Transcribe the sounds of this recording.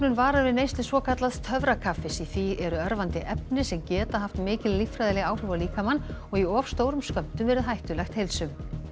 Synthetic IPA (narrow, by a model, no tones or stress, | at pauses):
nʏnvaːɾavɪðnejst̪ɪsvɔːkʰat̪laðt̪ʰœvɾakʰafːɪsiθiʔɛɾʏœɾvant̪ɪʔɛp̚nɪsɛmcɛːt̪aɦaft̪mɪːcɪlːifɾajðɪlɪɣaːwr̥ʏvaliːkamanːɔɣiɔːfst̪oːwɾʏmskœm̥t̪ʏmvɛɾɪðɦajht̪ʏlɛxt̪hejlsʏm